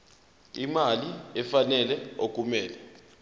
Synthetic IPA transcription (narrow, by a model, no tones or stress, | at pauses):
imaliɛfanɛlɛok̬ʼumɛːlɛ